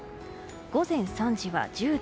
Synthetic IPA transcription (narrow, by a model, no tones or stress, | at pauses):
ɡ̥o̞zẽ̞ɰ̃sãɲ̟d͡ʑiβa̰d͡ʑɨːd̪